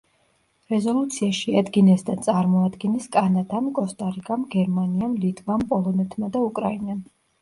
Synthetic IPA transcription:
ɾɛzɔlˠut̪sʰiaʃiad̪ɡinɛsd̪at̪sʼaɾmɔad̪ɡɛnɛskʼanad̪amkʼɔst̪ʼaɾikʼamɡɛɾmaniamlit̪ʼvampʼɔlˠɔnɛt̪ʰmad̪aukʼɾainam

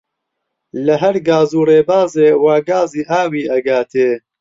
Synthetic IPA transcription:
lɐɦɐɾɡaːzuːreːbaːzeːwaːɡaːziːʔaːwiːʔɐɡaːt̪ʰeː

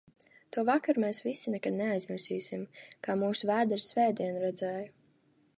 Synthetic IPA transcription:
t̪uɔvakaɾmɛːsvisinɛkad̪neajzmiɾsiːsimkaːmuːsuvæːd̪ɛɾsvɛːd̪iɛnɾɛd̪zɛːju

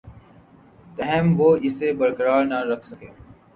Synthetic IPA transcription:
t̪əɦɛmʋoːɪsebəɾkəɾaːɾnaɾɐkʰsəkeː

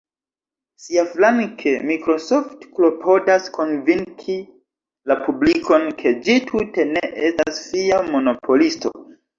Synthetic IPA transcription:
siaflaŋkʰemikɾo̞so̞ftklo̞pʰodasko̞nviŋkʰi | lapublikʰo̞nkʰe̞d͡ʒitʰute̞neʔestasfiamo̞no̞pʰo̞listo̞̰

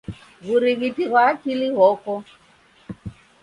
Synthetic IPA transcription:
ɣuɾiɣitiɣwaːkiliɣɔkɔ

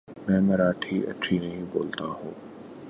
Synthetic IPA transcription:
mɛ̃ːmɐɾaːʈʰiːʔɐ̰ʈʰiːnɐɦĩbo̰ːlt̪aɦṵ̃ː

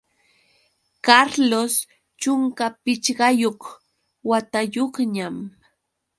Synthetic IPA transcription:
kaɾlos | t͡ʃʊŋkapɪt͡ʃɢɑjoχ | wat̪ajoχɲam

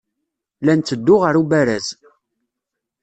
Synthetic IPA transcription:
lænt͡sːəd̪ːʊʁəɾubæɾæz

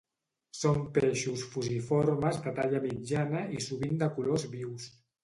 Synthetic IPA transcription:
sompeʃusfuzifoɾməzd̪ət̪aʎəmid͡ʒanəisuβind̪əkulozβiws

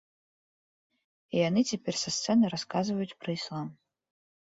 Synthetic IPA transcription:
ianɨtʲʰepʲerʲsast̪sɛnɨjɾaskazɨvɐjutʲprɐislˠam

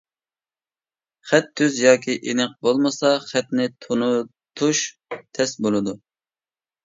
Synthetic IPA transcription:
χɛt̪ʰːyzjɑːkʲʰiʔenɨq̚bolˠmɨsɑχɛt̪nɪt̪ʰonu | t̪ʰuʃ | t̪ʰɛsbolˠɨd̪u

